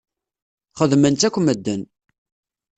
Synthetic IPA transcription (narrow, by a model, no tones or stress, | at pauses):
χəðmənt̪ækʷːəməd̪ːən